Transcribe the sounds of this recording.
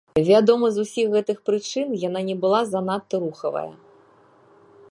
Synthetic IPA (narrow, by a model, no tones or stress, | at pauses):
vʲad̪ɔmɐzusʲiɣɣɛt̪ɨxpɾɨt͡ʂɨnjan̪anʲɛbɨlˠazanat̪ːɐɾuxɐvɐ̰jɐ̰